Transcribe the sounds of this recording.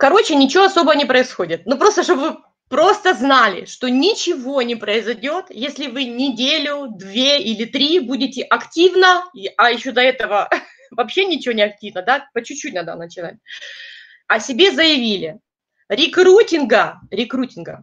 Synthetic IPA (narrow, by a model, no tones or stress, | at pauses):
kɐɾo̞t͡ɕɪnʲɪt͡ɕɪvoɐso̞bəvənʲɪpɾəɪsxodʲɪt̪̚nupɾo̞st̪əʂt̪obɨvɨ | pɾo̞st̪əznalʲɪ̰ʂt̪o̞nʲɪt͡ɕɪvo̞nʲɪpɾəɪzɐjdʲo̞t̪jesʲlʲɪvɨnʲɪdʲelʲʊd̪vʲeilʲɪt̪ɾʲibudʲɪtʲɪʔɐktʲivnəɐjɪɕːo̞d̪ɐɛt̪əvə | vɐpɕːe̞nʲɪt͡ɕɪvonʲɪɐk̚tʲivnəd̪apət͡ɕʉt͡ɕːut̚ʲnad̪ə̰nət͡ɕɪna̰t̚ʲ | ɐsʲɪbʲe̞zəjɪvʲilʲɪ | ɾʲɪkɾutʲɪnɡəɾʲɪkɾutʲɪnɡə